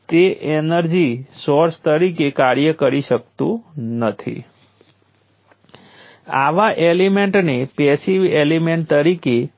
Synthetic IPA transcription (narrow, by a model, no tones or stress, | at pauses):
t̪eʔenəɾd͡ʒisoɾst̪əɾikekaɾjəkəɾiʃək̚t̪ũnət̪ʰḭ | a̰ʋaʔelimeɳʈnepesiʋelimeɳʈ̚t̪əɾike